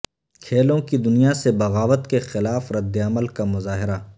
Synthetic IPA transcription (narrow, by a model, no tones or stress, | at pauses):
kʰeːlõkid̪ʊnijasebɐɣaːʋət̪kexɪlaːfɾɐd̪ːeɐməlkamʊzaːɦɪɾa